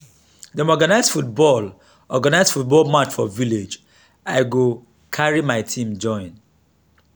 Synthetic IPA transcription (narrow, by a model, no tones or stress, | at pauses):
dəmɔɡanaɪzdfut̚bɔl | ɔɡanaɪzfut̚bɔlmat͡ʃfɔviled͡ʒ | aɪɡo | kʰaɹimaɪtʰĩmd͡ʒɔ̃ɪ̃n